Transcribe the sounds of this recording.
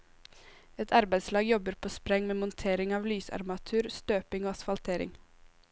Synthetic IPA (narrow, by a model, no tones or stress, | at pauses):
ɛt̪ʰɑɾbæɪd̪slɑːɡjɔbəɾpʰoːspɾɛŋmeːmʊnt̪ʰeːɾɪŋɑːʋlyːsæ̰ɾmɑt̪ʰʉːɾst̪øːpɪŋoːɑsfɑlt̪ʰeːɾɪ̰ŋ